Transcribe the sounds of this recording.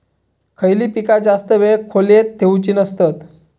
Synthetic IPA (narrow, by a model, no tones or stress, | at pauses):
kʰəjliːpikad͡zast̪əʋekʰolet̪ʰːeut͡ɕiːnəst̪ət̪